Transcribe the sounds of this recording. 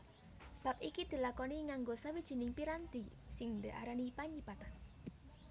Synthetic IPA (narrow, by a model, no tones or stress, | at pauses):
b̥a̤p̚ʔikid̪̥i̤lakɔniŋaŋɡosawid̥ʒ̥i̤nɪŋpiɾand̪isɪŋd̪əʔa̰ɾanipaɲibat̪an